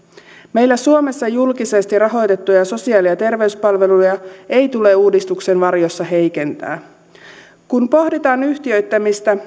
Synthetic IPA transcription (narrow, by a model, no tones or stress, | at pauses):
me̞jlːæsuome̞sːɑjulkise̞st̪irɑɦo̞jt̪e̞t̪ːujɑso̞siɑːliɑt̪e̞rʋe̞yspɑlʋe̞lujɑe̞it̪ule̞uːdist̪ukse̞nʋɑrjo̞sːɑɦe̞jke̞nt̪æ̰ː | kunpo̞hdit̪ɑːnyht̪iø̞ɥjt̪ːæmist̪æ